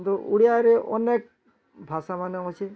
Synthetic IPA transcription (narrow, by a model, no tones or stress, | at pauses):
t̪uuɽijaɾeʔɔnek̚ | bʱasamaneɦot͡ɕʰe